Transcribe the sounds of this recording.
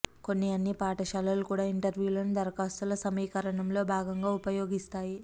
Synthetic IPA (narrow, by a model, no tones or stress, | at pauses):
ko̞nːiɐnːipaːʈɐʃaːlɐlukuːɽaːiɳʈɐɾʋjuːlɐnud̪ɐɾɐkaːst̪ulɐsɐmiːkɐɾɐɳɐmlo̞ːbʱaːɡɐŋɡaːupɐjo̞ːɡist̪aːji